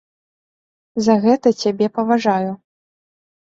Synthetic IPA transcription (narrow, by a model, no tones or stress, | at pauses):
zɐɣɛt̪ɐt͡sʲabʲɛpɐvaʐaju